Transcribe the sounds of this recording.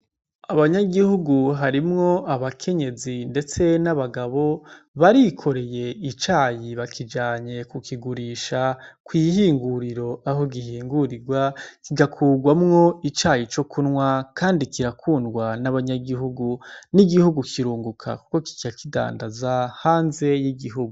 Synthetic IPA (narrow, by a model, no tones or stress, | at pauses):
aβaɲaɡihuɡuɦaɾimŋo̞aβakʰe̞ɲe̞zinde̞t͡se̞naβaɡaβo̞ | βaɾikʰo̞ɾe̞je̞it͡ʃaːjiβakʰid͡ʒaːɲe̞kukiɡuɾiːʃakwiːɦiːŋɡuɾiɾo̞ʔaɦo̞ɡihiːŋɡuɾiɡwakiɡakʰuːɡwamŋo̞it͡ʃaːjit͡ʃo̞kʰunŋwakaːndikiɾakʰuːndɡwanaβaɲaɡiɦuɡuniɡihuɡukʰiɾuːŋɡukʰa̰ku̥ko̞ki̥ciakida̰ːndazahaːnze̞jiɡiɦuɡuu